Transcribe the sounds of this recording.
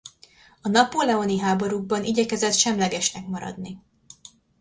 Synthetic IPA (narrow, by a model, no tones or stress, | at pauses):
ɒnɒpolɛoniɦaːboɾuɡ̚bɒnʔiɟɛkɛzɛt̪ʃɛmlɛɡɛʃnɛkmɒɾɒ̰d̪ni